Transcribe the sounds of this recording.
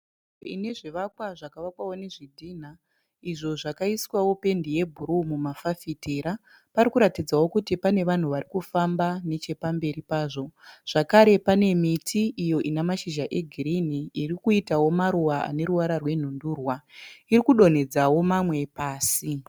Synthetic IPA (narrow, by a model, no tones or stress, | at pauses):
ḭne̞ʐiʋakwaʐakaʋakwawone̞ʐidʱiːn̤a | iʐo̞ʐakaiswawo̞pe̞ndije̞bʱuɾumumafafiteɾa | paɾikuɾatid͡zawo̞kutipane̞ʋan̤uʋarikufambane̞t͡ʃe̞pambe̞ɾipaːʐo̞ʐ̥akaɾe̞pane̞mitʰiʔːjo̞ʔinamaʃiʒaʔe̞ɡʱiɾiniirikuitawo̞maɾuwaʔa̰ne̞ɾuwaɾarwe̞n̤unduːrwairikuɗo̞n̤e̞d͡zawo̞mamwe̞paːsi